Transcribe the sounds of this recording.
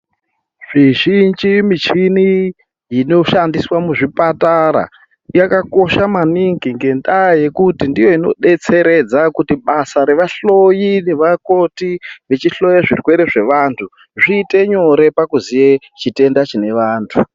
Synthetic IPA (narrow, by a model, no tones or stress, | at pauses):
ʐ̥iʒind͡ʒimit͡ʃini | jino̞ʃandiswamuʐipataɾa̰ | jakako̞ʃamaniŋɡiŋɡe̞ndaje̞kutindijo̞ino̞̰ɗe̞t͡se̞ɾe̞d͡zakutiɓasaɾe̞ʋaɬo̞jine̞ʋako̞tiʋe̞t͡ʃiɬo̞jaʐirwe̞ɾeʐe̞ʋaːntʰu | ʐiːte̞ɲo̞ɾe̞pakuzije̞ | t͡ʃite̞ndat͡ʃine̞ʋaːntʰu